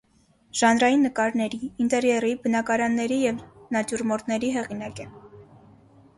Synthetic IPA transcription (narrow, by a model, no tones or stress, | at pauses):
ʒ̥ɑnɾɑjinːəkɑɾnɛɾiːnt̪ɛɾjɛribənɑkɑɾɑnːɛɾijɛvnɑt̪uɾmɔɾt̪nɛɾiɦɛʁinɑkɛ